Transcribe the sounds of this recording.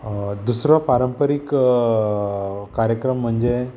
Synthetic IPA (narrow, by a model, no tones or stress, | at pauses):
d̪usɾɔpaɾəmpəɾik | kaɾjəkɾəm̤ːəɳd͡ʑe